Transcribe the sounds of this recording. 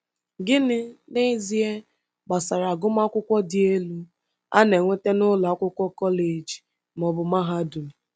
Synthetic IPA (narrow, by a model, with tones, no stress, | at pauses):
ɡɪ˦nɪ˦ne˦zi˦e˦ | ɡ͡ba˨sa˨ɾa˨ɡʊ˦ma˦kʷʊ˦kʷɔ˦dɪ˦e˦lu˦ | a̰˦ne˨ŋʷe˦te˦nʊ˦la˨˦kʷʊ˦kʷɔ˦kɔ˦le˨d͡ʒi̥˨ | m˨ɔ˨bʊ˨ma˦ɦa˦du˨mɪ˨